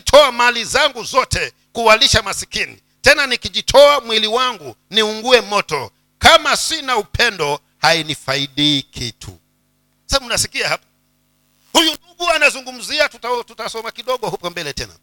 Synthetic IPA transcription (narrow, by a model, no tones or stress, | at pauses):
tʰɔamalizaŋɡuzɔtɛ | kuwaliʃamasikinḭ | tɛnanikiʄitʰɔamwiliwaŋɡu | niuŋɡuɛmɔtɔ̰ | kamasinaupʰɛndɔ | hainifaiɗiːkʰitʰṵ | saunasikiahapḁ | hujunuɡuanazuŋɡum̩ziatutatutasɔmakiɗɔɠɔhupɔmbɛlɛtɛna̰